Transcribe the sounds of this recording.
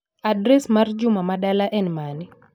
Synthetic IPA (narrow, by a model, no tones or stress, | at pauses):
adɾɛsmard͡ʒʊmamaɗalaʔɛnmanɪ